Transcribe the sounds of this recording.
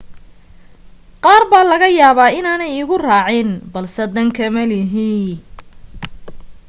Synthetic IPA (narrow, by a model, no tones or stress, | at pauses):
qɑːrbaːlɐɣɐjaːβaːɪnaːnɛjɪɣʊraːʕɪnbɐlsɛd̪ɐŋkʰɐmɐlɪɦiː